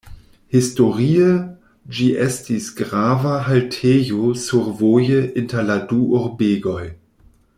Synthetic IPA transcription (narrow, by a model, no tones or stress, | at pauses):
histoʁiə | d͡ʒiʔɛstisɡʁavaɦaltʰeːjosuɾvojəʔɪntɐladuʔoɾbeːɡoj